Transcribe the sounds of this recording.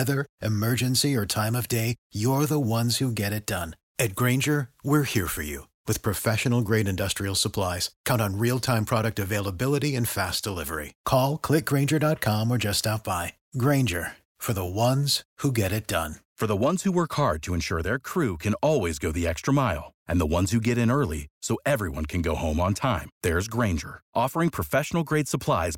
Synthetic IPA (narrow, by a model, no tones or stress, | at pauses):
wɛðə˞ʔɨmɜ˞d͡ʒɨ̃nsiə˞tʰãɪ̃mʌvdeɪjə˞ðəwʌ̃nz̥huɡɛɾɨt̚d̥ʌ̃n | ɨt̚ɡ̥ɹẽɪ̃nd͡ʒə˞wɪɹhiɹfə̰˞jʉ̰ | wɨð̥pʰɹ̥ɨfɛʃɨnl̩ˠɡɹeɪɾɨ̃ndʌstɹ̥il̩ˠsəpʰl̥aɪz̥kʰãʊ̃nn̩ɹilˠtʰãɪ̃mpʰɹ̥ɑɾɨk̚tɨveɪlˠəbɪlˠəɾiɨ̃nfæsd̥əlɪvə̰˞ḭkʰɔlˠkʰl̥ɪk̚ɡ̥ɹẽɪ̃nd͡ʒə˞dɑt̚kʰɑ̃mə˞d͡ʒʌstɑp̚b̥aɪ | ɡɹẽɪ̃nd͡ʒə˞ | fə˞ðəwʌ̃nz̥huɡɛɾɨt̚d̥ʌ̰̃nfə˞ðəwʌ̃nz̥huwɜ˞khɑɹd̚tʰɨɨ̃nʃʊɹðə˞kʰɹ̥ʉkʰɨ̃nɔlˠwizɡoʊðiɛkstɹ̥əmaɪlˠʔɨ̃nðəwʌ̃nz̥hʉɡɛɾɨ̃nɜ˞lˠisoʊʔɛvɹiwʌ̃nkʰɨ̃nɡoʊhõʊ̃mə̃ntʰãɪ̃mðə˞zɡɹẽɪ̃nd͡ʒə̰˞ʔɔfə˞ɪ̃ŋpʰɹ̥əfɛʃn̩l̩ˠɡɹeɪd̥səpʰl̥aɪz̥